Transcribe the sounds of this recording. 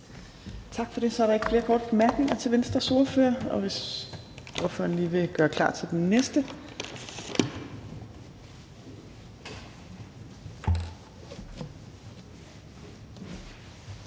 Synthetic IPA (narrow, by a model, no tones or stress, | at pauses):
t͡sʰɑ̈ɡ̥fɒ̽ɾ̥e̝sɒæɐɾɑ̈e̝ɡ̥fle̝ːɐkʰɒːd̥əb̥e̝mæɐɡ̥ne̝ŋɐt͡sʰe̝lʋensd̥ʁɐso̝ɐføɐɒ̽ʋe̝s | oɐfø̰ːɐnliːʋe̝ɡ̥ɶɐkʰlɑ̰̈ːt͡sʰe̝ld̥enːesd̥ə